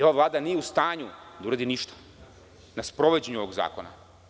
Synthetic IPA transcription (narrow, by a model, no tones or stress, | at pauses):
o̞ʋavlˠaːd̪anijeust̪aːɲud̪auɾaːd̪iniʃt̪ḁ | naspɾo̞ʋed͡ʑeɲuo̞ʋo̞ɡza̰ːkona̰